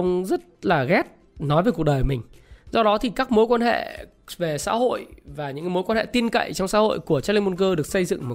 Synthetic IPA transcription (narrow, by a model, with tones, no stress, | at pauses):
wŋ͡mzə˦˥t̚laː˨˩ɣɛ˦˥t̚ | nɔ˨˦jvəː˨˩ku˨˩ɗəː˨˩˨mï˨˩ŋ̟zɔ˧ɗɔ˨˦t̪ʰi˨˩kaː˦˥k̚mo˨˦jkwaː˧nɦḛ˧˨ | ve˨˩sa̰ː˧˥ho̰˧˨jvaː˨˩ɲɨ̰˧˥ŋmo˨˦jkwa˧nhḛ˧˨t̪i˧nkə̰˧˨jt͡ɕɔ˧wŋ͡msa̰ː˧˥ho̰˧˨jku˧˩ət͡ɕa˦˥li˧mo˧nkəː˧ɗɨ˨˩ək̚sə˧jzɨ̰˧˨ŋmo˨˩